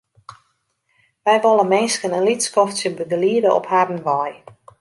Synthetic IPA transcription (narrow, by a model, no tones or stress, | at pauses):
ʋɛjʋɔlˠəmɪnskənənlitskɔfsjəbəɡəliədəʔɔ̰phadən̩ʋɔj